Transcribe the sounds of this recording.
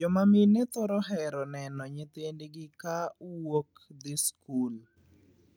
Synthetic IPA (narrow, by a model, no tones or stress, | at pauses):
ɔmaminɪt̪ɔɾɔɦɛɾɔnɛnɔɲet̪endeɡɪkawok | d̪ɪskul